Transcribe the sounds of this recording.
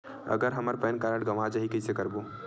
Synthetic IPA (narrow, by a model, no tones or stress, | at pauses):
ɐ̰ɡəɾɦɐməɾpɛnkaːɾəɽɡɐʋad͡ʒaɦikɐjsekəɾboː